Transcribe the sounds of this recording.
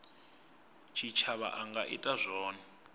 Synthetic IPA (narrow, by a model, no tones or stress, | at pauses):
t͡ʃʰit͡ʃʰaβa̰ʔaŋɡaʔḭtʼazʷɔːna